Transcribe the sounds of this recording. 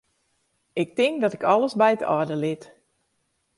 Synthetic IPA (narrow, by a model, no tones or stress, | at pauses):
ɪk̚tɪŋkdɔtɪkɔləsbɛjətɔ̰ːdəlɪt